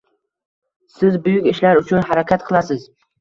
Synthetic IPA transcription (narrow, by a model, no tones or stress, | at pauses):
sɪzbʊjʊkʲɪʃlaɾʊt͡ʃʰʊnhaɾakʲʰat̪qʰɨlˠasɪz̥